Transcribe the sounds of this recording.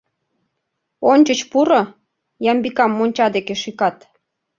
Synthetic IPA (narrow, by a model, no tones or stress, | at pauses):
onʲt͡ɕət͡ɕpuɾŏ | jɑmbikɑmːonʲt͡ɕɑd̪ekeʃikɑt̪